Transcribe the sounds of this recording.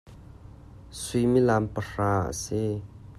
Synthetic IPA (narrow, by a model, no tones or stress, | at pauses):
sujmilampər̥aːʔə̰si